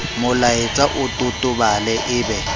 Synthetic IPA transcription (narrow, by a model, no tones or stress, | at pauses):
mʊlaɪt͡sʼaʔʊtʼʊtʼʊbalɛʔɪːbɛ